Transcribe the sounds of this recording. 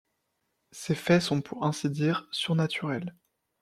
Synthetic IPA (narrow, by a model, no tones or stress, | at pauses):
sefɛsɔ̃pʰuʁɛ̃sid̪iːʁsyʁnat̪ʰyʁɛl